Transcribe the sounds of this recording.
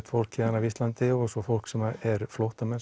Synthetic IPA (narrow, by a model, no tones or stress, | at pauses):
t̪fowl̥kʰːɛanavist̪lant̪ɪɔɣsɔfowl̥ksɛmaɛɾflowht̪amɛns